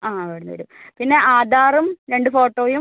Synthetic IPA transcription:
aːʋeːɽunːʋɐ̰ɾumpinːe̞ʔaːd̪aːrɐmɾe̞ɳɖɨfoːʈːoːjum

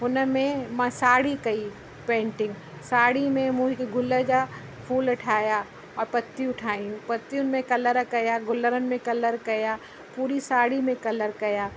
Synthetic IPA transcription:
ʊnmẽmɐ̃saːɽikɐi | pẽːɳʈɪ̃ŋɡ | saːɽimẽmũːɦikeɡʊlːəd͡ʒa | pʰuːlʊʈʰaːja | ɔːɾpɐt̪ːiʊʈʰaːĩpɐt̪ːiʊnmẽkɐləɾkɐjaɡʊlːəɾənɪ̆mẽkɐləɾkɐja | puːɾisaːɽimẽkɐləɾkɐjaː

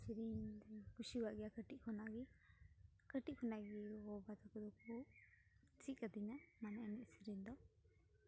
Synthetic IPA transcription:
siɾind̪ɛkusiwaʔɡɛjakəʈiʔkʰɔnaɡi | kəʈiʔ̚kʰɔnaɡiɡɔbad̪akɔd̪ɔku | t͡ʃiʔ̚kad̪inamanaɛnɛʔsiɾind̪ɔ

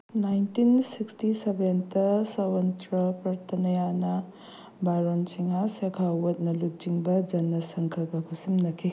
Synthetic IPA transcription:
najntinsikstisebentɐsawɐntɾɐpɐɾtʰɐnɐjanɐ | baɾonsiŋasekʰawɐt̚nɐlut̚t͡ʃiŋbɐd͡ʒɐnːɐsɐŋkʰɐlɡɐkʰusimnɐkʰi

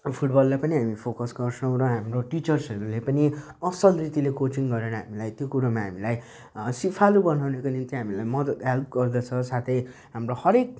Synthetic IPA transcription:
pʰuʈ̚bʌlːapʌniɦamipʰokʌsɡʌrsʌ̃w̃ɾʌɦamroʈit͡sʌrsʌɾulepʌni | ʌsʌlrit̪ilekot͡siŋɡʌɾeñʌɦamilajt̪jokuɾamaɦamilaj | sipʰalubʌnawnekonint̪iɦamilajmʌd̪ʌd̪ɦelp̚ɡʌrd̪ʌt͡sʰʌsat̪ʰʌjɦamrohʌɾek̚

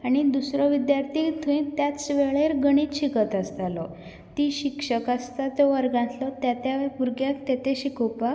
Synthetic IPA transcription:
aɽ̃id̪usɾɔʋid̪jaɾt̪ʰit̪ʰuĩt̪jasʋeɭeɾɡəɽ̃it̪ɕikət̪əst̪alɔ | t̪iɕikʂəkast̪at͡sɔʋəɾɡãnt̪lɔt̪jat̪jaʋpuɾɡjak̚t̪et̪eɕikʰopak

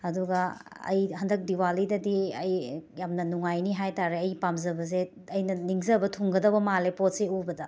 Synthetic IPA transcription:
ɐduɡɐɐ̰jhɐndɐk̚diwalidɐdiɐjjamnɐnuŋajniɦajtaɾeɐjpamzɐbɐze | ɐjnɐniŋzɐbɐtʰuŋɡɐdɐbɐmalepot̚seubɐdɐ

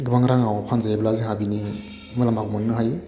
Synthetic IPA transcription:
ɡɯbaŋɾaŋawpʰanzajeblaziŋɦabini | mɯlamakumannɯɦaj

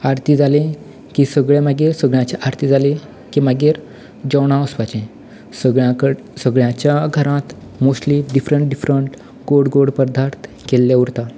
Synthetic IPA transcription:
aɾt̪ʰiːd͡zalẽ | kisəɡɭemaɡeːɾsəɡɭjãt͡ɕaʔaɾt̪ʰid͡zalẽ | kimaɡeːɾ | d͡ʑəwɽ̃ãəsʋat͡ɕẽ | səɡɭjãkə | səɡɭjãt͡ɕjaɡʱəɾãt̪ | mosʈliɖifɾəɳʈ̚ɖifɾəɳʈ | ɡ̥oɽɡoɽpəɾd̪ʱaɾt̪ | kelːeuɾt̪a

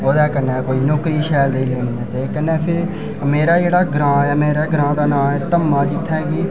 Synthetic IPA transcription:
oːd̪ɛːkənɛ̃ːkoːiːnoːkɾiːʃɛːld̪eiːleːniːɛːt̪eːkənːɛːpʰɪɾ | meːɾaːd͡ʒeːɽaːɡɾãːɛːmeːɾeːɡɾãːd̪aːnaːmɛːt̪əmːãːd͡ʒɪt̪ʰːɛɡiː

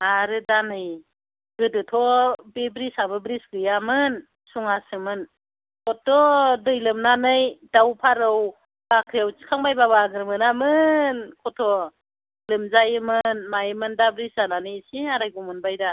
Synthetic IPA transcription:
aɾɯdanɯj | ɡɯdɯtʰɔbebɾisabɯbɾiskɯjamɯn | suŋasɯmɯn | kʰɔtʰːɔdɯjlɯmnanɯjdawpʰaɾɯw | bakʰɯjawt͡ʃi̥kʰaŋbajbabaɡɯɾmɯnamɯnkʰɔtʰɔ | lɯmzajɯmɯnmajɯmɯndabɾisananɯjsiaɾajɡumɯnbajda

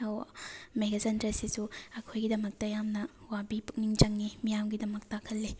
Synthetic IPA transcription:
owmeɡazɐntɾɐsisuɐkʰojɡidɐmɐk̚tɐjamnɐwabipuk̚niŋt͡ʃɐŋnimijamɡidɐmɐk̚takʰɐlːi

